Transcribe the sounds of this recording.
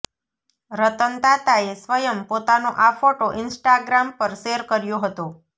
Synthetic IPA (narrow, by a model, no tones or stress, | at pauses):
ɾət̪ənt̪at̪aesʋəjəmpot̪anoʔafoʈoʔɪnsʈaɡɾampəɾʃeɾkəɾjoɦət̪o